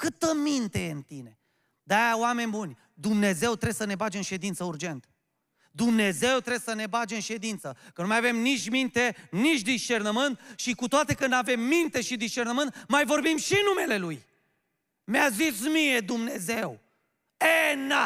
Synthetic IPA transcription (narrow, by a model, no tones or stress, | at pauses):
kɨt̪əmint̪e̞jent̪ine̞ | d̪ajawame̞nʲbunʲ | d̪umne̞ze̞wt̪ɾesəne̞bad͡ʒeɨnʃe̞d̪int̪səuɾd͡ʒe̞nt̪ | d̪umne̞ze̞wt̪ɾe̞səne̞bad͡ʒeɨnʃe̞d̪int̪səkənumajave̞mnit͡ʃʲmint̪e̞nit͡ʃʲd̪iʃt͡ʃe̞rnəmɨnt̪̚ʃikut̪oat̪e̞kɨnd̪ave̞mːint̪e̞ʃid̪isʃt͡ʃe̞rnəmɨnt̪majvo̞rbimʃinume̞le̞luj | meazismije̞d̪umne̞ze̞w | ena